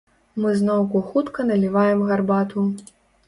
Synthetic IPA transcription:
mɨznɔwkuxut̪kɐnɐlʲivajɛmɣarbat̪u

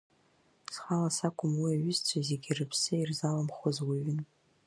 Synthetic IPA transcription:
sχalasakʷʰʼʊmwiaɥɪzt͡sʷʰazeɡʲirɨpʰsɨirzalamχozwiɥɪn

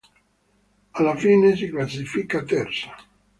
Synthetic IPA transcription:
alːafiːnesiklasifikat̪ɛrsḁ

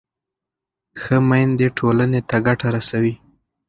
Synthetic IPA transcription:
xəmajnd̪eʈʰolanet̪aɡaʈaɾasawi

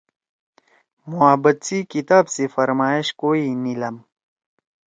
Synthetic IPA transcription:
muabət̪sikit̪aːbsefɐɾmaːiɕkoːinilɐm

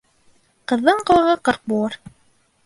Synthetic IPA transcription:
qɤ̆ðːɤɴqɤ̆wˠɤ̆ʁɤqɤɾq̚bulˠɤɾ

